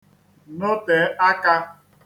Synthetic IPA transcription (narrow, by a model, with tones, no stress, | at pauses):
no˦pe˨˦a˦ka˦